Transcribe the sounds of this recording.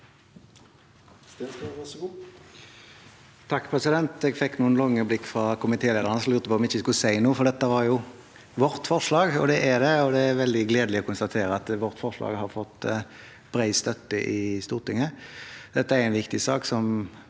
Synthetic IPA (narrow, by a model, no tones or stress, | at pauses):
æsɡ | t̪ʰɑkːpʰʁɛsɪd̪ɛnt̪ɛɡfɛkːnuːənlɔŋːəblɪkːfɾɑkʰʊmɪt̪ʰeːleːd̪əʁənəslʉʁt̪əpʰɔːmɪçːəskʉsæɪnuːfɔʁd̪ɛt̪ːəʋɑɾjʊ | ʋɔʁt̪fɔʁʂlɑːɡɔd̪ɛʔæɾd̪ɛɔd̪ɛæɾʋɛld̪ɪɡleːd̪əlɪɔkʊnst̪ɑt̪ʰeːɾəɑt̪ʋɔʁt̪fɔʁʂlɑ̰ːɡhɑɾfɔt̪ː | b̥ɾæɪst̪œt̪ːəʔɪst̪uːʁt̪ɪŋːəd̪̥ɛt̪ːəæɾɛɪnʋɪkt̪ɪsɑːksɔm